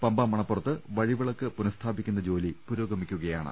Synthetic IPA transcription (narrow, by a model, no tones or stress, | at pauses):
pɐmbɐmɐɳɐpːurɐt̪ːɨʋɐɻiʋiɭɐkːɨpunɐst̪ʰaːbikʲːunːɐd͡ʑo̞ːlipuɾoːɡɐmikʲːuɣɐjaːɳɨ̰